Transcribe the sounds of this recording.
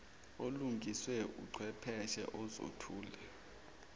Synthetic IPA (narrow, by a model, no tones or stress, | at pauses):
oluŋɡʱiswɛṵǀʰwɛpʰɛʃɛ̰ʔɔzo̰tʰuːlɛ